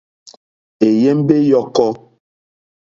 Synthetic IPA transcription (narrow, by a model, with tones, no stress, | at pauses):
e˨je˦m˦be˦jɔ˦kɔ˦